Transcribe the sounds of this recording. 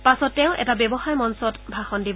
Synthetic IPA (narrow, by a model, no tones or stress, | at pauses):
pasɔtːɛʊʔɛ̰tabɛbɔxajmɔnsɔtbʱaxɔndib